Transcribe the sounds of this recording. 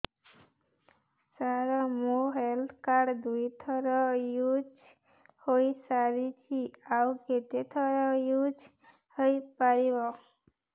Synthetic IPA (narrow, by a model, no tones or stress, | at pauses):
saɾɔmoɦeld̪kaɖd̪ujt̪ʰɔɾɔjud͡ʒ | hojsaɾit͡ʃʰiawket̪et̪ʰɔɾɔjud͡ʒ | hoipaɾibɔ